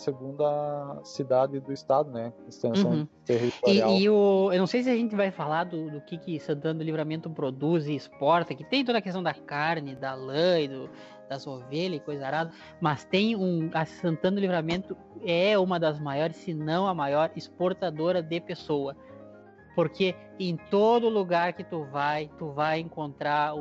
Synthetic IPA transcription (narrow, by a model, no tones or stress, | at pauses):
seɡũnd̪ɐsid̪ad̪ɪd̪ʊɪst̪ad̪ʊnɛɪst̪ẽst̪ehiɪaʊewnɐ̃w̃sejs̬ɪɐʒẽnt̪ɪvajfalaɾd̪ʊd̪ʊkɪkɪsɐ̃nt̪ɐ̃nd̪ʊlivɾamẽnt̪ʊpɾod̪uzɪːspɔɾt̪ɐkɪt̪ẽj̃t̪od̪ɐkest̪ɐ̃w̃d̪ɐkaɾnɪd̪ɐlɐjd̪ʊ | d̪̥ɐzoveʎɐɪkojzɐzaɾad̪ɐ | mɐst̪ẽj̃ũɐsɐ̃nt̪ɐ̃nd̪ʊlivɾamẽnt̪ʊ | ɛũmɐd̪ɐzmajɔɾɪsːɪnɐ̃w̃ɐmajɔɾɪspoɾt̪ad̪oɾɐd̪ɪpesowɐ | poɾkʰe | ẽj̃t̪od̪ʊːluɡaɾkɪt̪uvajt̪uvajẽŋkõnt̪ɾaɾʊ